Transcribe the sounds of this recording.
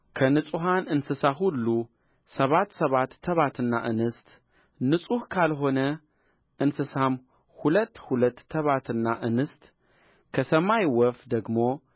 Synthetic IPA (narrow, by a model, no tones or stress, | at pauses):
kʰɐnɨt͡sʼuɦanʔɨnsɨsaɦulːu | sɐβat̪sɐβat̪ʰːɐβat̪ʰɨnːa̰ʔɨnɨst̪ | nɨt͡sʼuhkʰalɦo̞nɐ | ʔɨnsɨsam | hulɐt̪ːhulɐt̪ʰːɐβat̪ʰɨnːaʔɨnɨst̪ | kʰɐsɐmajwɔfd̪ɐɡmo̞